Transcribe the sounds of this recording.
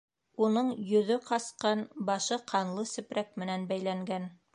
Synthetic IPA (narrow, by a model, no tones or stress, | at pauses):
unɤɴjɵ̆ðɵqɑsqɑnbɑʃɤqʰɑnlˠɤsɘ̆pɾæk̚mɘ̆nænbæjlæŋɡæn